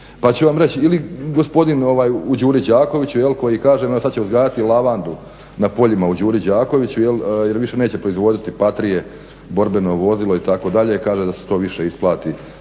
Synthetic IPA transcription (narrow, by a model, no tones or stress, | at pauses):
pat͡ɕuʋamɾet͡ɕiliɡo̞spo̞d̪ino̞ʋaːjud͡ʑuːɾid͡ʑaːko̞ʋit͡ɕujelko̞jikaːʒemesad̪t͡ɕeuzɡaːjat̪ilˠaʋand̪u | napo̞ʎimaud͡ʑuːɾid͡ʑaːko̞ʋit͡ɕujelje̞ɾʋiʃe̞ne̞ːt͡ɕe̞pɾo̞izʋo̞d̪it̪ipat̪ɾije̞ | bo̞ɾbe̞no̞ʋo̞zilˠo̞it̪ako̞d̪aʎe̞kaːʒed̪ase̥t̪o̞ːʋiʃe̞isplˠaːt̪i